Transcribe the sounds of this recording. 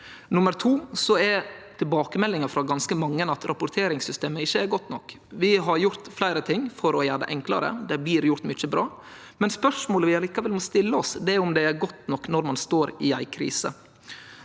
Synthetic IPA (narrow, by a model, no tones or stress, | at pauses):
nʊməɾt̪ʰuːsɔɛt̪ʰɪlbɑːkəmɛlːɪŋɑfɾɑɡɑnskəmɑŋːənɑt̪ɾʔɑpʊɾt̪ʰeːɾɪŋsʏst̪eːməɪçːəæɾɡɔt̪ːnɔk | ʋɪɦɑɾjʊɾt̪flæɪɾət̪ʰɪŋːfɔɾɔjæːɖə̰ʔɛŋklɑ̰ɾə̰d̪ɛblɪːɾjʊɾt̪mʏt͡ʃːəbɾɑː | mɛnspœʂmoːləʋɪɑliːkɑʋɛlmɔst̪ɪlːəɔsd̪ɛæʊmd̪ɛæɾɡɔt̪ːnɔkːnɔɾmɑnst̪oːɾɪæɪkʰɾḭːsə̰